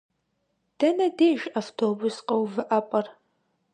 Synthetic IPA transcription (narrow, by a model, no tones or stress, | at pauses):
d̥ɐnɐdeːʒaftʰoːbʊsqʼɐwvɨʔɐpʼɐr